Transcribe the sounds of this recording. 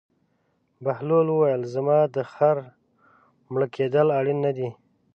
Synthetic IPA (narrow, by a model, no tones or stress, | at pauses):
bahlolwəwajəlzamɑd̪əxaɾ | mɽəkʰed̪əlaɽinːad̪i